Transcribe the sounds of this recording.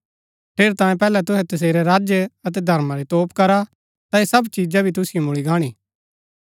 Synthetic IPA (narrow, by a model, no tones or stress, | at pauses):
pʰeːɾt̪ãːjẽpɛːlɛt̪ʊɦɛt̪ɐs̬eːɾeɾaːd͡ʒjəɐt̪̬ɛd̪ʱɐɾmaɾet̪oːpkɐɾa | t̪aesɐbt͡ʃiːd͡ʒabʱit̪ʊsɪjomʊɭiɡaːɽ̃iː